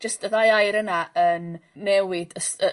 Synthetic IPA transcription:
d͡ʒəstəðajajɾənaənːɛwɪdəsə

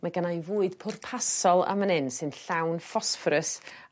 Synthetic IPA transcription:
maɡanajvuːɨd̥pʰʊrpʰasɔlˠa̰mənɛnsɨnɬawnfɔsfrəs

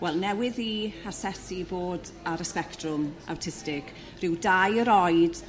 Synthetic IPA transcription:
wɛlˠnɛwɪðihasɛsiboːd | aɾəspɛktrʊmʔa̰wtʰɪstɪkʰ | r̥ɪwdajəɾɔjd̥

